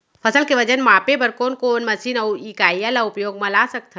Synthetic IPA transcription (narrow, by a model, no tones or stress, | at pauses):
pʰɐsəlkeʋɐd͡ʒənmaːpebɐɾkoːnkoːnmɐsiːnɐwiːkaːjalaʊpjoːɡmɐ̃lasɐk̚t̪ʰa